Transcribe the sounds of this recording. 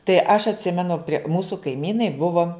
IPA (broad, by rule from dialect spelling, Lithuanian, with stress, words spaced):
tɐɪ ɐʃ ɐtʲˈsʲɪmʲɛnʊ pʲrʲiɛ ˈmuːsʊ kɐɪˈmʲiːnɐɪ ˈbʊʋoː